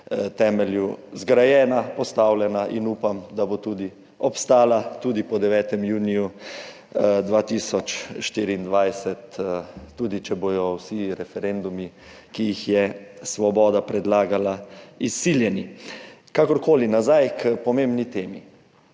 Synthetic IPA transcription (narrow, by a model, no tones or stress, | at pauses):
t̪ɛːmɛljuzɡɾajɛːnapɔst̪awlɛnaʔinuːpamd̪abot̪uːd̪i | ɔpst̪aːlat̪uːd̪ipɔd̪ɛʋɛːt̪ɛmjuːniju | d̪ʋaːt̪iːsɔt͡ʃʃt̪iːɾiːnd̪ʋajsɛt̪ː | uːd̪it͡ʃɛboːj̪ɔwsiɾɛfɛɾend̪umi | kijixjɛsʋɔbɔːd̪apɾɛd̪laːɡalaisːiːljɛnikakɔɾkoːlinazajkpɔmembnit̪eːmi